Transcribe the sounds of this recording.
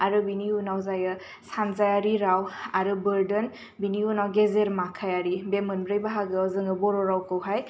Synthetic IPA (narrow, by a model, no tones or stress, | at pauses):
aɾɯbiniunawzajɯ | sanzajaɾiɾawaɾɯbəɾdən | biniunawɡezeɾmakʰajaɾibemɯnbɾɯjbaɦaɡɯɔzɯŋɯbɔɾɔɾawkɯwɦaj